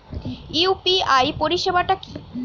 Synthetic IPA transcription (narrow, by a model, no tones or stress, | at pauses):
iupiajpoɾiʃebaʈaki